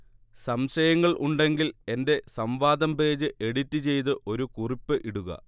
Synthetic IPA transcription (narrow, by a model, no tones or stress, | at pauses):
sɐmɕɐjɐŋːɐɭʔuɳɖe̞ŋɡile̞nde̞sɐmʋaːd̪ɐmbe̞ːd͡ʑɨʔeɽitːɨt͡ɕe̞jt̪̬ɨʔo̞ɾukuripːɨʔiɽuɣɐ̰